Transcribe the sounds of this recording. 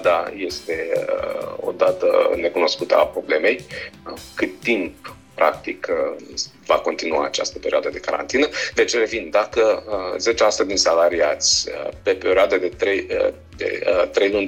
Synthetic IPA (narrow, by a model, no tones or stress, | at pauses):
d̪aje̞st̪e̞ | o̞̰d̪at̪ə̰ne̞kuno̞skut̪əa̰pɾo̞ble̞me̞jəkɨt̪ːimp | pːɾa̰k̚t̪ik | vako̞nt̪inuaːt͡ʃa̰st̪əpe̞ɾioad̪əd̪e̞kaɾa̰nt̪inəd̪e̞t͡ʃre̞vind̪akəze̞t͡ʃesu̥t̪əd̪insalaɾiat̪sʲə̰pe̞pe̞ɾioad̪ed̪e̞t̪ɾej | d̪ḛt̪ɾe̞jlunʲ